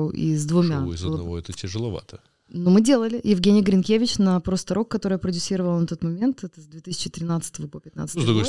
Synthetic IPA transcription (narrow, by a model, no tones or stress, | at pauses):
ʔḭzd̪vʊmʲaɪzɐd̪ˠnɐvoɛt̪ətʲɪʐɨlˠɐva̰t̪ʰə | nomɨdʲe̞lˠəlʲɪjɪvʲɡʲenʲɪjɡɾʲɪnkʲevʲɪt͡ɕnɐpɾost̪ɐɾokːɐt̪o̞ɾəjəpɾədʲʊsʲiɾəvəlˠnɐt̪o̞t̪mɐmʲe̞nt̪ɛt̪əzd̪vʲe̞t̪ɨsʲɪ̥t͡ɕɪt̪ɾʲɪnat̪sɨ̥t̪əvəpopʲɪt̪na̰t̪szd̪ɾuɡojs